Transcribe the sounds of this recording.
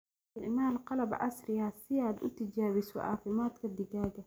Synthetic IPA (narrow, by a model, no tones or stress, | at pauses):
ɪʕmaːlqɑlɐbʔɐ̰srɪjɐsɪaːd̪ʊ̰t̪ʰɪt͡ʃaːβɪsɔ̰ʔɑ̰ːfɪmaːd̪kʰɐd̪ɪɣaːɣɐ